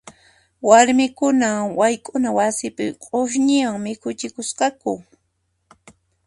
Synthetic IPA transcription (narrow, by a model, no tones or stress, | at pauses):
waɾmɪkʊnawajkʼʊnawasɪpɪ̰qʼoʃ̬ɲɪwaŋmɪkʊt͡ʃɪkʊsqɑkʊ